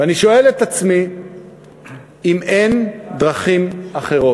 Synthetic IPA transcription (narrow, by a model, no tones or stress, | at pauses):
veaniʃo̞e̞let̪at͡smi | imendʁaχimaχe̞ʁo